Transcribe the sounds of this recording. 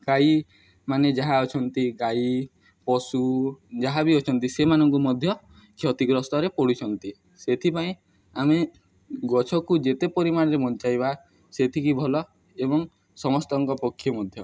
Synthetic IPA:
ɡaj | maned͡ʒaɦaɔt͡ʃʰɔnt̪iɡai | pɔsud͡ʒaɦabiɔt͡ʃʰɔnt̪isemanɔŋkumɔd̪ʱjɔ | kʰjɔt̪iɡɾɔst̪ɔɾepɔɽit͡ʃʰɔnt̪i | set̪ʰipaĩ | ame | ɡɔt͡ʃʰɔkud͡ʒet̪epɔɾimaɽ̃ɔɾemɔnt͡ʃajβa | set̪ʰikibʱɔlɔ | ebɔŋ | sɔmɔst̪ɔŋkɔpɔkʰːjɔmɔd̪ʱjɔ

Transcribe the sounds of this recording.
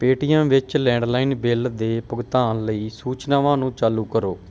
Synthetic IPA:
peːʈijãːʋɪt͡ʃlɛ̃ːɳɖlaːiːnbɪld̪eːpəɡt̪aːnləiːsuːt͡ʃnaːʋãːnũːt͡ʃaːluːkəɾoː

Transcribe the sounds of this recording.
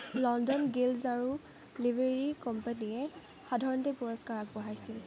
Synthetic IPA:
lɔndɔnɡilzaɹu | libʱeɹikɔmpanijɛ | xadʱaɹɔntɛpuɹɔskaɹak̚bɔɦajsil

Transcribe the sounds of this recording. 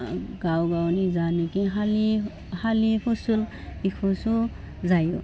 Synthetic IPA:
ɡawɡawnizanikiɦali | halipʰusul | bikʰusu | zajṵ

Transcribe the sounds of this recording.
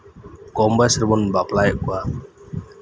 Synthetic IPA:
kɔmbasəɾmɔnbaplaɛʔkua

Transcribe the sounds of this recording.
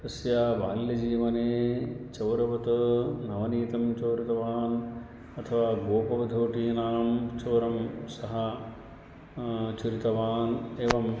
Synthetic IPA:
t̪ɐsjaːʋaːljɐd͡ʒiːʋɐneːt͡ʃɐwɾɐʋɐt̪ɐnɐʋɐniːt̪ɐmt͡ʃɐːɾit̪ɐʋaːn | ɐt̪ʰɐʋaːɡoːpɐʋɐd̪ʱoːʈiːnaːnɐmt͡ʃɐːɾɐmsɐɦɐ | t͡ʃuɾit̪ɐʋaːneːʋɐm

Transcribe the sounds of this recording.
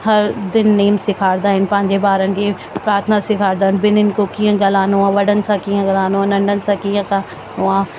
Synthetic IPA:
hɐɾd̪ɪnːiːmsɪkʰaːɾd̪aːɦɪnɪ̆pɐ̃ɦɪ̃ɲd͡ʑebaːɾənɪ̆kʰeː | pɾaːɾt̪ʰənasɪkʰaːɾd̪aːɦɪnɪ̆bɪnɪnɪkokĩːə̃ɡɐlaːnuãːʋɐɽənɪ̆sãkiːə̃ɡɐlaːnuãnɐ̃ɳɖʱənɪ̆sãkiːə̃ka | nuãː

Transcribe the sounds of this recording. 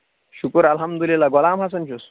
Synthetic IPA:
ɕukəɾɐlɦɐmd̪ulilaɡɔlaːmɦasənt͡ɕus

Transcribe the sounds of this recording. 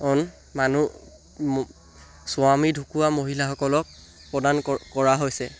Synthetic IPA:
ɔn | manu | sʊamidʱukuwamoɦilaxɔkɔlɔk̚ | pɹɔdankɔɹaɦojsɛ

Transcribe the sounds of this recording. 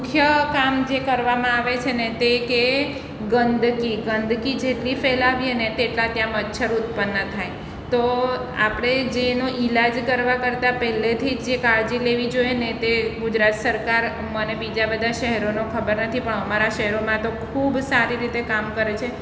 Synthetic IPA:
mʊkʰjəkamd͡ʒekəɾʋamãaʋet͡ʃʰenet̪eke | ɡənd̪ʱkiɡənd̪ʱkid͡ʒeʈlifɛlaʋienet̪eʈlat̪jãmətːʃʰəɾut̪̚pənːət̪ʰaj | t̪oa̰pɽ̃ed͡ʒenoʔilad͡ʒkəɾʋakəɾt̪apɛɦlet̪ʰid͡ʒekaɾd͡ʒileʋid͡ʒoenet̪eɡud͡ʒɾat̪səɾkaɾ | mənebid͡ʒabəd̪ʱaʃəɦɛɾonokʰəbəɾnət̪ʰipəɳəmaɾaʃɛɦɛɾomãt̪okʰubsaɾiɾit̪ekamkəɾet͡ʃʰe

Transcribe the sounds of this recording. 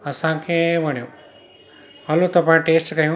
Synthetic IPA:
ɐsãkʰeʋɐɽ̃jõ | maːlut̪ɐpãʈeːsʈkɐjũ

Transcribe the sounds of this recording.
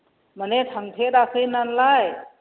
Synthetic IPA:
məneʈʰəŋpʰeɾakʰəjnanlaj

